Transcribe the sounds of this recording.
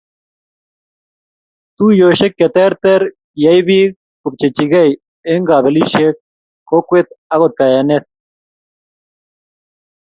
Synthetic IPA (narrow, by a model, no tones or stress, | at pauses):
t̪ujoɕekːet̪eɾt̪eɾ | jɐjbiːk | kup̚t͡ɕet͡ɕiɡɐj | eŋɡaːbeliʃek̚ | kokuet̪ɐɣot̪̚kɐjɐnet̪̚